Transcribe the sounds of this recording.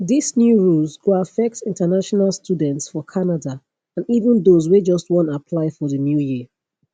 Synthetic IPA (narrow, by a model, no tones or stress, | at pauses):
ðisnjuɹulˠzɡoafɛk̚tɪ̃ntənaʃɔnalˠstʰjudɛ̃ntsfɔkʰanada | ãnivə̃nðozwed͡ʒʌst̚wɔ̃ntapʰlaɪfɔðənjujiə